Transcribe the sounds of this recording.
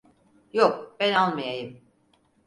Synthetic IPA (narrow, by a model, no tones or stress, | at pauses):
jok̚b̥ænalˠmajajɯm